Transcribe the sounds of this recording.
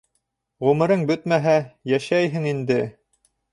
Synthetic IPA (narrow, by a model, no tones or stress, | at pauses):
ʁʉmɘ̆ɾɤŋbɵt̪mæɦæjæʃæjɦɘŋind̪ɘ